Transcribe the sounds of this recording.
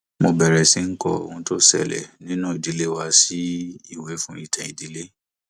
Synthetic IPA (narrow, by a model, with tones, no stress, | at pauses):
mo˧bɛ˨ɾɛ˨si˦n̩˦kɔ̰˦˨o̰˨ũ˧˦to˦sɛ̰˦˨lɛ̰˨nĩ˦nũː˦˨i˨di˨˦le˦wa˧si˦i˦˨wɛ˨˦fũ˦i˦˨tʰɛ̃˨i˨di˨˦le˦